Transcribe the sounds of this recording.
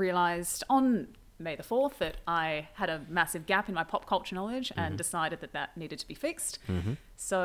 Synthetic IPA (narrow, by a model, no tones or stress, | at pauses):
ɹiɨlaɪzdn̩ | meɪðəfɔɹθðɨɾʔaɪɨɾɨmæsɨvɡæpɨ̃n̩maɪpʰɑp̚kʰʌlˠp̚t͡ʃə˞nɑlˠɪd͡ʒɨ̃ndɨsaɪɾɨd̪̚ðɨt̪̚ðɨtⁿniɾɨd̚tʰəbifɪkst | soʊ